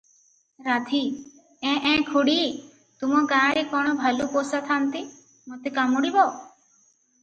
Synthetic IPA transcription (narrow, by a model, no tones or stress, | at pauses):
ɾat̪ʰi | ɛ̃ʔɛ̃ːkʰuɽiː | t̪umɔ̃kãːɾikɔɽ̃ɔbʱalupoːsat̪ʰant̪i | mɔt̪ekamuɽibɔ